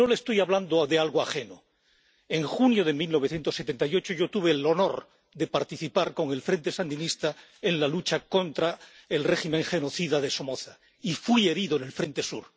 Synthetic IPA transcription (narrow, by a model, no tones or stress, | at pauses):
no̞lest̪ojaβland̪oðealɣoaχe̞no | e̞ŋxunjoð̞emilno̞β̞eθje̞nt̪osːe̞t̪e̞nt̪ajo̞t͡ʃoʝo̞t̪uβ̞e̞lo̞no̞ɾ | ðe̞paɾt̪iθipaɾko̞ŋe̞lfɾe̞nt̪e̞sand̪inist̪a | enlalut͡ʃako̞nt̪ɾae̞lre̞ximẽ̞ŋxe̞no̞θiðaðe̞somoθa | ifwie̞ɾiðoene̞lfɾe̞nt̪e̞sṵɾ